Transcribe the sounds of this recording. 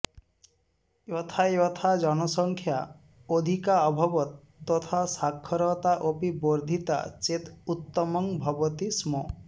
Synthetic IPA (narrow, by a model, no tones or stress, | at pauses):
jɔt̪ʰajɔt̪ʰad͡ʒɔnɔsɔŋkʰja | od̪ʱikaɔbʱɔbɔt̪ː | ɔt̪ʰasakʰːɔɾɔt̪aʔopiboɾd̪ʱit̪a̰t͡ʃet̪ut̪ːɔmɔŋbʱɔbɔt̪ismɔ